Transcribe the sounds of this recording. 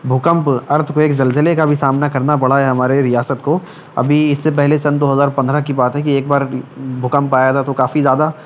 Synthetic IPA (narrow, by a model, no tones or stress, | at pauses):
bʱʊkə̃mpɐɾt̪ʰkoeːkzɐlzəlekabʱisaːmnakɐɾnapɐɽ̤aɦɛɦɐmaːɾeɾijaːsət̪ko | ɐ̰bʱiɪsːepɛɦlesɐ̃nd̪oːɦɐzaːɾpɐ̃nd̪ɾakibaːt̪ɦɛkieːk̚baːɾbʱʊkə̃mpaːjat̪ʰat̪okaːfizjaːd̪a